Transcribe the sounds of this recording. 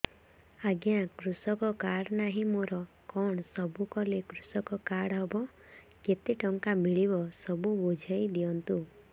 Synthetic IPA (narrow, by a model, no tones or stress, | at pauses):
aɡjãkɾusɔkɔkaɽnaɦĩmoɾɔ | kɔɳ̃ɔsɔbukɔlekɾusɔkɔkaɽɦɔbɔ | ket̪iʈɔŋkamiɭibɔsɔbubod͡ʒʱajd̪iɔnt̪u